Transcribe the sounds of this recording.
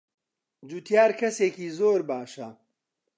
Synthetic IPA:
d͡ʒut̪ʰjaːɾkʰɐseːkiːzoːɾbaːʃɐ

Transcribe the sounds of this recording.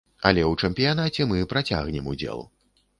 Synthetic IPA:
ɐ̰lʲɛwt͡ʂɛmpʲijan̪at͡sʲɛmɨpɾat͡sʲa̰ɣnʲɛmud͡zʲɛ̰lˠ

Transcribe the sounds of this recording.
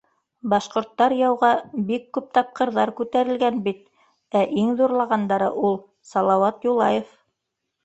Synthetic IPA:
bɑʃqŏɾt̪ːɑɾjɑwʁɑbikːʉp̚t̪ɑp̚qɤ̆ɾðɑɾkʉt̪æɾɘ̆lɡænbit̪̚ | æʔiŋðuɾlˠɑʁɑnd̪ɑɾɤ̰ʔulˠ | sɑlˠɑwɑt̪julˠɑjef

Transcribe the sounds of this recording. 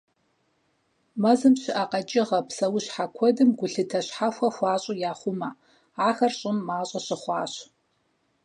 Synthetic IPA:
mɐzɨmɕɪʔaqɐt͡ʃʼɪʁɐpsɐwʊɕħakʷʰɔdɨmɡʷʊɬɨtʰɐɕħaxʷɐxʷɑːɕʼʊjaːχʷʊmɐ | ʕaxɐrɕʼʊmːaːɕʼɐɕɪχʷɑːɕ

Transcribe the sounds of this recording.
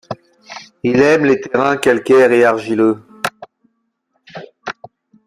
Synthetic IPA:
ilɛmlet̪eʁɛ̃kʲalkʲɛʁeaʁʒilø

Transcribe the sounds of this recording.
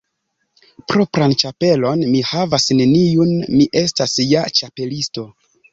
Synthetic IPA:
pɾo̞pɾant͡ʃape̞lo̞nmihavasne̞niunmiʔe̞stasjat͡ʃape̞listo̞

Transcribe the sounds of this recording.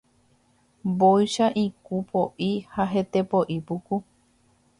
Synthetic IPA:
bojʃaʔikupʰo̞ʔihaɦe̞t̪epoʔipuku

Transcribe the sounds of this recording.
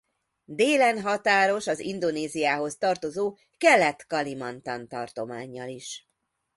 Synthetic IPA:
d̪eːlɛnɦɒt̪aːɾo̞ʃɒzḭnd̪o̞neːzijaːɦo̞st̪ɒrt̪o̞zoː | kɛlːɛt̪kɒlimɒnt̪ɒnt̪ɒrt̪o̞maːɲːɒliʃ

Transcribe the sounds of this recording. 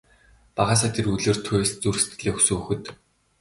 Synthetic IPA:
paʁaːs̬aːt̪ʰeruɮeːrt̪ʰʊjst͡surst̪̚ɘ̆ɮeːxsuxɘ̆t̪

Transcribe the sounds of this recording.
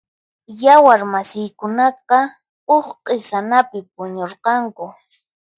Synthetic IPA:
jawaɾmasɪjkʊnɑqɑ | oχqʼɪsanapɪp̚ʊɲoɾqɑŋkʊ

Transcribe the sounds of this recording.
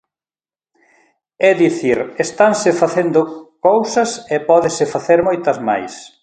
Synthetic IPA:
ɛðiθiɾest̪ansɪfaθend̪ʊkowsɐsɛpɔðɪsɪfaθeɾmɔjt̪ɐzma̰js

